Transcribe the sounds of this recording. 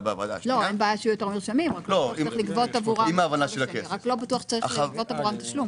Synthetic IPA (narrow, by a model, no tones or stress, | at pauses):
beava̰na̰lo̞enbaːjaʃeujote̞ʁmiʁʃamimʁakkloiʁiχlikvot̪avuʁaimaːvanaʃelakeʁaklo̞batuɐχʃe̥t͡saʁivotavuʁamt̪aʃlum